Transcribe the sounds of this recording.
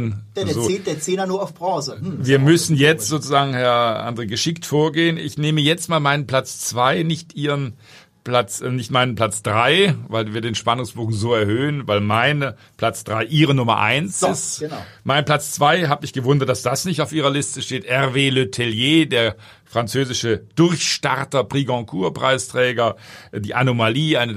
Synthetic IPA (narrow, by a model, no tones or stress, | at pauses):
nzoːd̥eːɐt͡seːnɐnuːɐaʊfb̥ʁɔ̃ːzəviːɐmʏsn̩jɛt͡stz̥oːt͡suzaːɡŋ̩hɛɐʔa̰ndʁeːɡəʃɪktfoːɐɡeːənɪ̰çneːməjɛt͡stmaːlmaɪnənpl̥at͡st͡sv̥aɪnɪçtʔiːʁən | plat͡sːnɪçtmaɪnənpl̥at͡sd̥ʁaɪvaɪlviːɐdeːnʃpanʊŋsb̥oːɡŋ̩zoːɛɐhøːənvaɪlmaɪnə | pʰl̥at͡sd̥ʁaɪʔiːʁənʊmɐ̰ʔa̰ɪnsɪst | maɪnpl̥at͡st͡sv̥aɪɦaːbəɪçɡ̥əvʊndɐt̚d̥asd̥asnɪçtaʊfʔiːʁɐlɪstəʃteːtʔɛʁveːløtʰeljeːdeːɐ | fʁ̥ant͡søːzɪʃəd̥ʊʁçʃta̰ʁtɐpʁ̥iɡɑ̃kʰuːɐpʁ̥a̰ɪstʁ̥ɛːɡɐdiːʔanomaliːaɪnə